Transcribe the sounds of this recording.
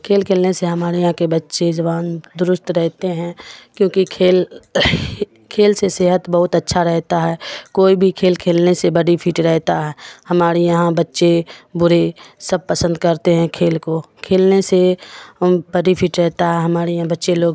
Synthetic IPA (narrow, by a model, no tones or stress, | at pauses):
kʰeːlkʰeːlneseɦɐmaːɾejɦãkebətːʃed͡ʒɐbaːnd̪ʊɾʊst̪ɾɛɦt̪eɦɛ̃kjõːkikʰeːl | kʰeːlseseɦət̪bɐɦʊt̪ətːʃʰaɾɛɦt̪aɦɛːkoːibʱikʰeːlkʰeːlnesebəɖipʰiːʈɾɛɦt̪aɦɛːhɐmaːɾejɐɦãbətːʃebʊɾesəb̚pəsə̃nd̪kɐɾt̪eɦɛ̃kʰeːlkokʰeːlnese | bəɖipʰiːʈɾɛɦt̪aɦɛɦɐmaːɾejɦãbɐtːʃeloːɡ